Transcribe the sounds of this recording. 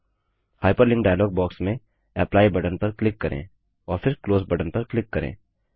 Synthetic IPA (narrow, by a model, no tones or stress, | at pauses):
haːɪpəɾlɪ̃ŋɡɖaːjlɔːɡ̚bɔːksmẽ | ɛːplaːibɐɖənpɐɾklɪkːɐɾʔḛ̃ː | ɔːɾpʰɪɾkloːzbɐɖənpɐɾklɪkːɐɾḛ̃ː